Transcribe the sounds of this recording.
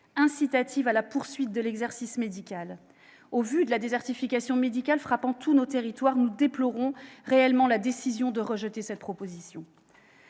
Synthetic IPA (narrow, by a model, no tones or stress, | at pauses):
ɛ̃sit̪at̪ʰivalapuʁsɥit̪̚d̪əlɛɡzɛʁsismed̪ikʲal | ovyd̪əlad̪ezɛʁt̪ifikʲasjɔ̃med̪ikʲalfχapɑ̃t̪unot̪eʁit̪waʁnud̪eplɔʁɔ̃ʁeɛlmɑ̃lad̪esizjɔ̃d̪əʁəʒət̪esɛt̪̚pχɔpozisjɔ̃